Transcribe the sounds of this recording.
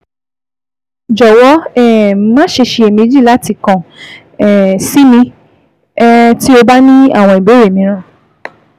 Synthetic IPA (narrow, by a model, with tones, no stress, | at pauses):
d͡ʒɔ˨wɔ˨˦ɛ˦˨mã˦ʃe˧ʃe˧e˨mĩ˧˦d͡ʒi˦˨la˨˦ti˧kã˨ | ɛ˨si˨˦mĩ˧˦ | ti˦o˧ba˦nĩ˦a̰˦˨w̃ɔ̃˧i˨be˨˦ɾe˦˨mĩ˨˦ɾ̃ã˦˨